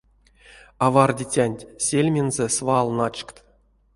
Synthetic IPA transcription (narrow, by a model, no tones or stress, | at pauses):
ɑvɑrdʲitʲanʲtʲsʲelʲmʲenzesvɑlˠnɑt͡ʃkt̪